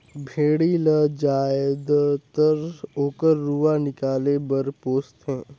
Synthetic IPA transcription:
bʱeːɽiləd͡ʒaːd̪t̪əɾoːkəɾːuanɪkaːlebəɾpoːst̪ɦɛ̃ː

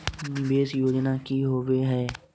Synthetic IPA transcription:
beːsjoːd͡ʒnaːkiːɦoːʋeːɦɛː

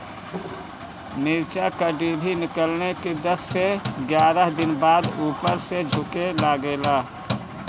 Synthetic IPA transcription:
mɪɾt͡ʃakəɖibʱinɪkəlneked̪əsːeɡjaːɾəɦd̪ɪnbaːd̪uːpəɾsed͡ʒʱʊkelaɡelaː

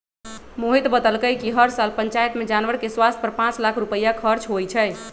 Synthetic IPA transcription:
moɦit̪bəd̪əlkəjkiɦəɾsalpəɲt͡ʃajt̪med͡ʒanʋəɾkeswast̪ʰpəɾpãt͡ʃlakʰɾupəjːakʰəɾt͡ʃɦojt͡ʃʰə

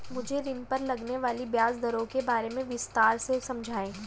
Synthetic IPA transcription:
mʊd͡ʒʱeɾɪnpɐɾlɐɡneʋaːlibjaːzd̪ɐɾõkebaːɾemẽʋɪst̪aːɾsesɐ̃md͡ʒʱaːẽː

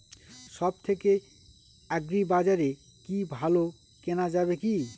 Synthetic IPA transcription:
ʃɔb̚t̪ʰeke | ɛɡɾibad͡ʑaɾe | kibʱalo | kenad͡ʑabeki

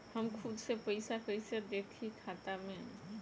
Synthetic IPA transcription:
həmkʰʊd̪sepəɪsapəɪsad̪eːt̪ʰikʰaːt̪amẽ

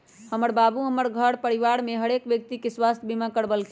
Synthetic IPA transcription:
həməɾbabuɦəməɾɡʱəɽpəɾiʋaɾmeɦəɽekbjək̚t̪ikeswast̪ʰjəbimakəɽbəlk

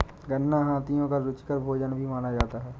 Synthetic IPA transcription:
ɡənːaɦaːt̪ijõkaɾʊt͡ʃkəɾbʱoːd͡ʒənbʱimaːnad͡ʒaːt̪aɦɛː

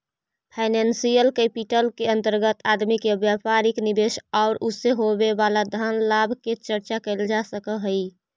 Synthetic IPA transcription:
pʰaɪnensijəlkəpiʈəlkeə̃nt̪əɾɡət̪ad̪mikebjapaɾiknibeʃaʊɾuseɦobebalad̪ʱanlabʱket͡ʃəɾt͡ʃakəɪld͡ʒasəkəɦəi

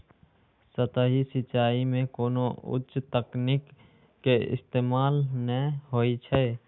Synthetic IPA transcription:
sət̪əɦisɪt͡ʃaːimẽkoːnoʊ̰tʃt̪əknɪkː | eɪ̰st̪eːmaːlnəɦoːit͡ʃʰə

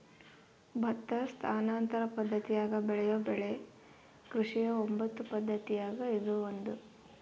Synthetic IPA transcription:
bʱɐt̪ːɐst̪ʰaːnaːnt̪ɐɾɐpɐd̪ʱːɐt̪ijaːɡɐbɛɭɛjobɛɭe̞ | kɾuʂijɐombɐt̪ːupɐd̪ʱːɐt̪ijaːɡɐid̪uond̪u

